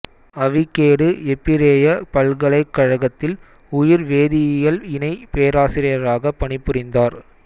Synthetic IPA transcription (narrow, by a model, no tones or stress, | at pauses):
ɐʋɪkːeːɽɯɛpːɪɾeːjɐpɐlɣɐɭɐɪkːɐɻɐɣɐt̪ːɪl | ʊjɪɾʋeːðɪjɪjɐlɪnɐɪpeːɐɾaːsɪɾɪjɐɾaːɣɐpːɐɳɪpːʊrɪnd̪aːɾ